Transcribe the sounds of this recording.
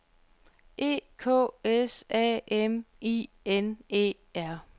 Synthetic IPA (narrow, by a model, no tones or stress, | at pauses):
ʔe̝̰ːkʰɔ̰ːesɛ̰ːemiː | ene̝̰ː | æɐ̰